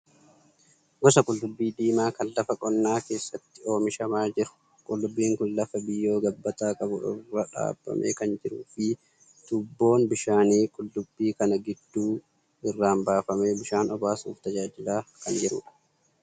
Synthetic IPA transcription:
ɡɔsɐkʼʊlːʊbːiːd̪iːmaːkɐnlɐfɐkʼɔnːaːke̞ːsːɐt̪ːɪo̞ːmɪʃɐmaːd͡ʒɪɾʊ̥ | kʼʊlːʊbːiːŋkʊnlɐfɐbɪjːo̞ːɡɐbːɐt̪aːkʼɐbʊɪrːɐᶑa̰ːb̥ːɐ̰mʔḛːkɐnd͡ʒɪɾuːfɪ | t̪ʊbːo̞ːnbɪʃaːniːkʼʊlːʊbːiːkɐnɐɡɪd̪ːuː | ɪrːaːmbaːfɐme̞ːbɪʃaːnɔbaːsuːft̪ɐd͡ʒaːd͡ʒɪlaːkɐnd͡ʒɛɾuːᶑɐ̥

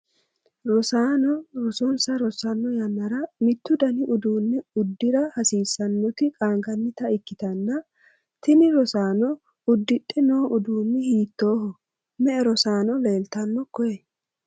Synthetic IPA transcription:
ɾɔsaːnɔɾɔsɔnsɐɾɔsɐnːɔjɐnːɐɾɐmɪt̪ːʊd̪ɐnɪʔʊd̪uːnːɛʊd̪ːɪɾɐhɐsiːsːɐnːɔt̪ɪkʼaːŋɡɐnːɪt̪ɐɪkːɪt̪ɐnːɐ | t̪ɪnɪɾɔsaːnɔ | ʊd̪ːɪɗɛno̞ːʊd̪uːnːɪhiːt̪ːo̞ːhɔ | mɛɛɾɔsaːnɔle̞ːlt̪ɐnːɔkɔjɛ

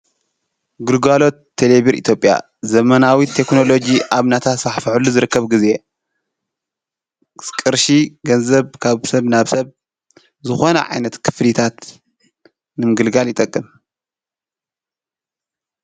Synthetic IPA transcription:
ɡɨɾɡalo̞t̪ʰːeleβiɾḭt̪ʰjo̞pʼja̰ | zɐmɐnawit̪ʰːe̞kno̞lo̞d͡ʒiʔaβnat̪ʰat̪faħfɨħulːuzɨɾɨkːɐβɡize | kʼɨɾʃiɡɐnzɐβkʰaβsɐβnaβsɐβ | zɨxo̞nɐ̰ʕa̰jnɐt̪kʰɨ̥flit̪ʰat̪ | nɨmɨɡɨlɡaljɪt̪ʼɐkʼːɨm

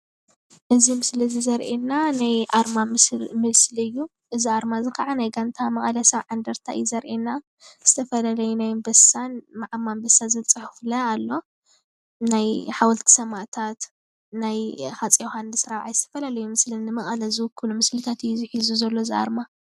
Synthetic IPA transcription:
ʔɨzimɨslizɨzɐɾʔenːanajʔaɾmammɨlslɨjːu | ʔɨziaɾmazɨkʰaʕanajɡant̪ʰamɐχʼɐlɐsɐβʕand̪ɐɾt̪ʰa̰ʔɨ̰jɛzɐɾʔena | z̥ɨt̪ʰɐfɐlalɐjunajmbɐsanmaʕamːanbɐsazɨlt͡sʼɨħɨflɐalːo̞ | najħawɔlt̪ʰi̥sɐmat̪ʰat̪ | najhat͡sʼioxanːɨsɨɾaβʕajzɨt̪ʰɐfɐlalɐjumɨslɨnːɨmɐχʼɐlɐzɨwʊkʰːɨlumɨslit̪ʰat̪ɨjuziħizuzɐlːoɨzia̰ɾma

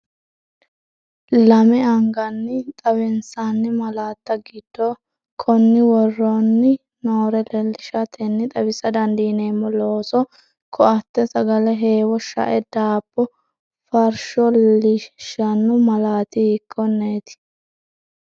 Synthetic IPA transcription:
lɐmɛɐŋɡɐnːɪt̪ʼɐβɪnsanːɪmɐlaːt̪ːɐɡɪd̪̥ːoː | kʰɔnːɪwɔrːonːɪ | noːɾɛlɛlːɪʃɐt̪ʰɛnːɪt̪ʼɐbɪsɐd̪ɐnd̪iːneːmːɔloːsɔ | kʰɔɐt̪ːɛsɐɡɐlɛɦe̞ːwɔʃɐ̰ʔɛd̪aːpːɔ | fɐɾʃɔlɪʃɐnːʊmɐlaːt̪ɪɪkːɔnːeːt̪ɪ̥

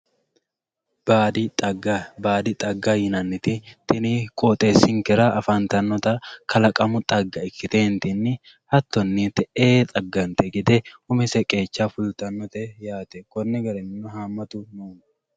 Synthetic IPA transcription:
b̥aːd̪ɪt̪ʼɐɡːɐbaːd̪ɪt̪ʼɐɡːɐjɪnɐnːɪt̪ɪt̪ɪnikʼoːt̪ʼe̞ːsːɪŋkɛɾɐʔɐfɐnt̪ɐnːɔt̪ɐkʰɐlɐkʼɐmʊt̪ʼɐɡːɐɪkːɪt̪eːnt̪ɪnːɪ | hɐt̪ːɔnːiːt̪ːɛeːt̪ʼɐɡːɐnt̪ɛɡɪd̪ɛhʊmɛsɛkʼe̞ːt͡ʃːafʊlt̪ɐnːɔt̪ɛjaːt̪ɛkɔnːɛɡɐɾɛnnːʊɦaːmːɐt̪ʊnoːn

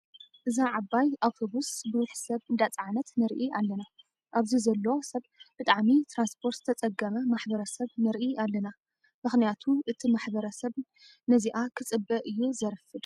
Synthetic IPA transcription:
ʔɨzaʕabajaβhɨβusbɨwħsɐβɨnd̪at͡sʼʕanɐt̪nɐɾʔialːɐna | ʔaβzizɐlːoosɐβbɨt̪ʼaʕmit̪ʰɾanspʰo̞ɾt̪zɨ̥t̪ʰɐt͡sʼɐɡɐmɐmaħbɐɾɐsɐβnɐɾʔialːɐna | mɨxnijat̪ʰuʔɨt̪ʰimaħbɐɾɐsɐβ | nɐziʔakʰɨt͡sʼɨbːɐʔɨjːuzɐɾfɨd̪

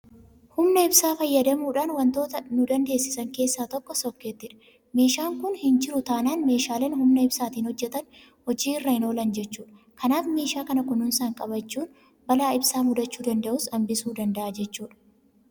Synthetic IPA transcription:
hʊmnɐɪbsaːfɐjːɐd̪ɐmuːᶑaːnwɐnt̪o̞ːt̪ɐnʊd̪ɐnd̪e̞ːsːɪsɐŋke̞ːsːaːt̪ɔkːɔsɔkːeːt̪ːɪᶑɐ̥ | meːʃaːŋkʊnhɪnd͡ʒɪɾʊt̪aːnaːnme̞ːʃaːleːnhʊmnɐɪbsaːt̪iːnhɔd͡ʒːɛt̪ɐn | hɔd͡ʒiːɪrːɐhɪno̞ːlɐnd͡ʒɛt͡ʃːuːᶑɐ̥ | kɐnaːfmeːʃaːkɐnɐkʊnɪnsaːŋkʼɐbɐt͡ʃːuːn | bɐlaːɪbsaːmʊd̪ɐt͡ʃːuːd̪ɐnd̪ɐʔʊsɐmbɪsuːd̪ɐnd̪ɐʔaːd͡ʒɛt͡ʃːuːᶑɐ̥

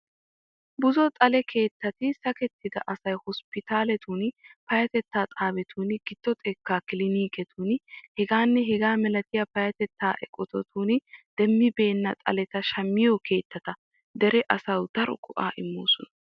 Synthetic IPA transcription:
bʊzɔt̪ʼɐlɛkʰe̞ːt̪ːɐt̪ɪsɐkɛt̪ʰːɪd̪ɐ̰ʔɐsɐjhɔspɪt̪aːlɛt̪ʰunpɐjɐt̪ɛt̪ːaːt̪ʼaːbɛt̪ʰuːnɡɪd̪̥ːɔt̪ʼɛkːaːkɪlɪniːkɛt̪ʰunhɛɡaːnːɛɦɛɡaːmɛlɐt̪ɪjɐpɐjɐt̪ɛt̪ːaːʔɛ̰kʼːɔt̪ɔt̪ʰuːnd̪̥ɛmːɪbe̞ːnːɐt̪ʼɐ̰lɛt̪ɐʃɐmːɪjɔkʰe̞ːt̪ːɐt̪ɐ | d̪ɛɾɛʔɐsɐwd̪̥ɐɾɔ̰kʼɔʔa̰ːʔɪmːo̰ːsɔnɐ

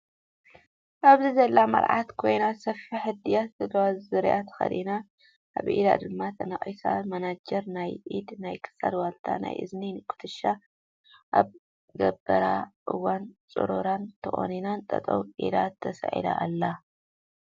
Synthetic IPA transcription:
ʔaβzizɐlːamɐ̰ɾʕat̪kʰo̞jnasɐfiħɨd̪ijat̪zɐd̪ɐwazzɨɾjat̪ʰxɐ̰d̪ina | ʔa̰βʔḭd̪a̰d̪ɨmːat̪ʰɐnɐχʼisa̰mɐnad͡ʒɐɾnajʔid̪najkʰɨ̥sa̰d̪walt̪ʰa̰na̰jʔɨ̰zninɨkʰʼʊ̥t̪ʰɨʃːa | ʔa̰β | ɡɐbːɐɾaʔɨwːant͡sʼɨ̰ɾoɾant̪ʰɨʔʼo̰ninant̪ʼɐ̰t̪ʼɐ̰wʔḭd̪at̪ʰːɐsɐʕḭd̪a̰ʔːlːa

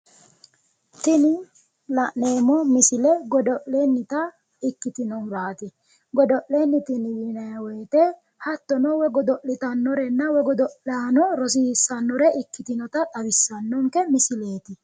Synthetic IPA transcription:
t̪ɪnɪ | lɐʔneːmɔmɪsɪlɛɡɔd̪ɔʔleːnːɪt̪ɐ | ɪkːɪt̪ɪnɔnbaːt̪ɪ | ɡɔd̪ɔʔleːnːɪt̪ɪnɪwɪnɐjɐwɔjt̪ɛ | hɐt̪ːɔnɔwɛɡɔd̪ɔʔːɪt̪ɐnːɔɾɛnːɐwɛɡɔd̪ɔʔlanɔɾɔs̬iːsːɐnːɔɾɛʔɪkːɪt̪ɪnɔt̪ɐt̪ʼɐwɪsːɐnːɔŋkɛmɪsɪleːt̪ɪ

